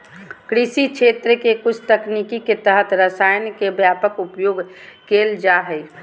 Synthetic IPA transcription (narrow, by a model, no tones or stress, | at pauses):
kɾisit͡ʃʰeːt̪ɾəkekʊt͡ʃʰt̪əknikiket̪əɦət̪ɾəsaːjnkebjaːpəkupjoːɡkeːld͡ʒaɦə